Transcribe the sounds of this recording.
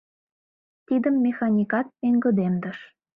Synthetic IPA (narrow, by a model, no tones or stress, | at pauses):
t̪id̪əmːexɑnʲikɑt̪̚eŋɡə̆d̪emd̪ə̆ʃ